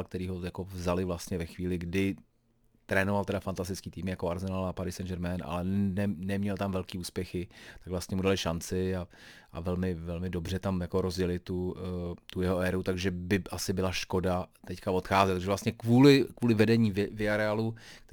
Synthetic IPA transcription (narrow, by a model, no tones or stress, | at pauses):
lk̚t̪ɛɾiːɦojako̞vzalɪvlast̪ɲɛvɛxviːlɪɡdɪ | t̪ɾɛːnovalt̪ɛdafant̪as̬t̪ɪt͡skiːt̪iːmɪjakoaɾzɛnalapaɾɪsɛnd͡ʒɛɾmɛna̰lɛnɛnɛmɲɛlt̪amvɛlkiːuːspjɛxɪt̪aɡvlast̪ɲɛmudalɪʃant͡sɪaʔavɛlmɪvɛlmɪdo̞br̝ɛt̪amjako̞ɾozɟɛlɪt̪ːut̪ujɛɦoɛːɾut̪aɡʒɛbɪʔasɪbɪlaʃko̞dat̪ɛckavo̞t̪xaːzɛt̪t̪aɡʒɛvlast̪ɲɛkvuːlɪkvuːlɪvɛdɛɲiːvvɪaɾɛaːlukt̪